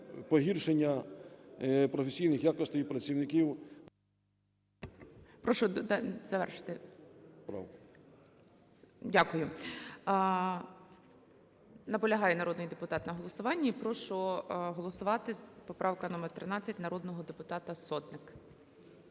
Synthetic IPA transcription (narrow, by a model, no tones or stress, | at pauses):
pɔɦirʃenʲːɐ | pɾɔfʲesʲijnɪxjakɔsʲtʲɪjpɾɐt͡sʲiwnɪkʲiw | pɾɔʃʊzɐʋɛ̰rʃɪ̥t̪ɪpɾɑ̰w | dʲakʊjʊ | nɐpɔlʲɐɦɑjɛnɐɾɔd̪nɪjd̪epʊt̪ɑt̪nɐɦɔlˠɔsʊʋɑnʲːiipɾɔʃʊɦɔlˠɔsʊʋɑt̪ɪz̥pɔpɾʔɑwkɐnɔmɛrt̪ɾɪnɑt͡sʲːɐtʲnɐɾɔd̪nɔɦɔd̪epʊt̪ɑt̪ɐsɔt̪nɪk